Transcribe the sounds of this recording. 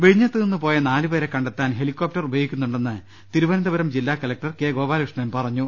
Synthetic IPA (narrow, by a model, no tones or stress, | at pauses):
ʋeɻiɲːɐt̪ːɨenːupo̞ːjɐnaːlɨʋɐɾekːɐɳɖet̪ːaːnɦe̞likʲːoːp̚ʈɐrubʱɐjikʲːunːuɳɖe̞nːɨ | t̪iɾuʋɐnɐnd̪ɐbɐɾɐmd͡ʑilːaːkɐlɐk̚ʈɐrkeːɡoːbaːlkʂɐɳɐmpɐrɐɲːu